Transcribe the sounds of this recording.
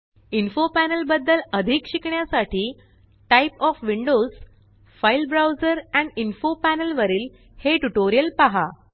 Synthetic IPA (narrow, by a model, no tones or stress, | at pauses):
infopænəlbəd̪ːələd̪ʱikɕikɳjasaʈiː | ʈajpɔfʋiɳɖoz | failbɾawzəɾæ̃ɳinfopænəlʋəɾiːl | heʈuʈoɾijəlpaɦa